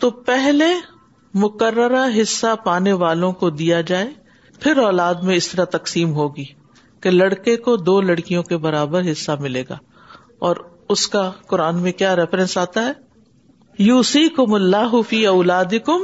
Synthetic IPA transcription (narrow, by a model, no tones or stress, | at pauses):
t̪opɛɦle | mʊkəɾːəɾaɦɪsːapaːneʋaːlõkod̪ijad͡ʒaːe | pʰɪɾɔːlaːd̪mẽɪst̪ɐɾat̪ɐqsiːmɦoːɡiː | kelɐɽkekod̪oːlɐɽkijõkebɐɾaːbəɾɦɪsːamɪleːɡa̰ː | ɔːɾ | ʊskakʊɾaːnmẽkjaːɾɛfɾɛ̃nsaːt̪aɦɛː | juːsiːkʊmɐlːaːɦʊfiːɐʊlaːd̪ɪkʊm